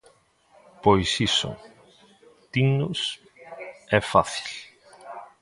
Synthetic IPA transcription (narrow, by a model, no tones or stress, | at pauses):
pojsisʊ̰ | t̪iŋnʊs | ɛfaθi̥l